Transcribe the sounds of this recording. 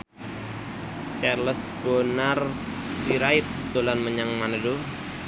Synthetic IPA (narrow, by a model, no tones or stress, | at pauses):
t͡ʃarləsb̥onar | siɾaɪt̪̚d̪̥olanməɲaŋmanədu